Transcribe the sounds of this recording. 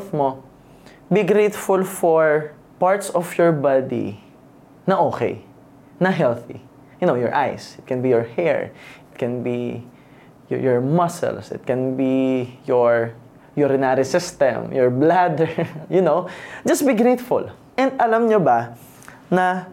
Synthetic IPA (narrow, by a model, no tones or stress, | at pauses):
θmo | biɡɾejt̪fʊlfɔɹ | paɹt̪sɔfjɔɹbad̪ḭ | nɐʔoːkɛ̰j | nɐɦɛlθḭ | jʊnowjɔɹʔa̰jsɪt̪̚kɛ̃nbijɔɹhɛ̰ɹɪt̪̚kɛ̃nbi | j̰jɔɹmɐsɛ̰lsɪ̰t̪̚kɛ̃nbijɔɹ | jɔɾɪnaɾisɪst̪ɛ̰̃mjɔɹblad̪ɛjʊnowd͡ʒɐst̪̚biɡɾet̪fʊ̰l | ʔɛ̃nd̪ɐlamɲoba | nɐ